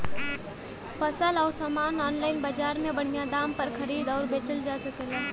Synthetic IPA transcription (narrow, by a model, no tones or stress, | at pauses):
fɐsəlɔːɾsamaːnɔːnlaːɪnbɐd͡ʒaːɾmẽbɐɽ̤̃ijad̪aːmpɐɾxɐɾiːd̪ɔːɾbeːt͡ʃəld͡ʒaːsɐkelaː